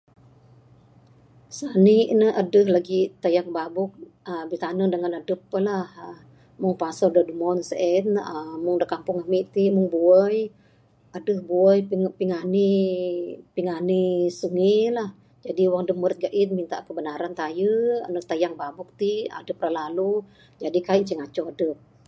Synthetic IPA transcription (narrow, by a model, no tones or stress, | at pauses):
saniʔnəədəhlaɡit̪ajaŋ̚babʊk̚ | əbit̪anəŋdəŋanadəpːəlah | mʊŋpasɔdədumɔnsəʔɛnəmʊŋdəkampʊŋamiʔt̪imʊŋbuəj | adəhbuəjpiŋani | piŋanisuŋilah | d͡ʒadiwaŋdəməɾt̪̚ɡaʔit̪̚mint̪a̰ʔkəbənaɾant̪ajəə̰nəht̪ajaŋbabʊk̚t̪ia̰dəp̚rəlalu | d͡ʒadikaiʔt͡ʃiŋat͡ʃɔadəp̚